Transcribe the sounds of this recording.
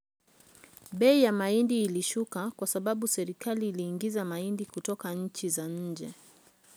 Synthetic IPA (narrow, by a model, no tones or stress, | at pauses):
ɓɛijamaindiːliʃukakwasaɓaɓusɛɾikaliːliːŋɡizamaindikutɔkaɲ̩t͡ʃizaɲ̩d͡ʒɛ